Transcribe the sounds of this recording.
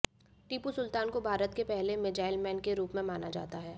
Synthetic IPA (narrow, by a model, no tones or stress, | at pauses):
ʈiːpusʊlt̪aːnkobʱaːɾət̪kepɛɦlemɪd͡ʒaːɪlmɛːnkeɾuːpmẽmaːnad͡ʒa̰ːt̪aɦɛː